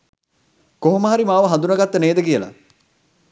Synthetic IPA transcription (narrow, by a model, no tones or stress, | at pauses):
koɦoməɦaɾimaːʋəɦand̪unəɡat̪ːəneːd̪əkijəla̰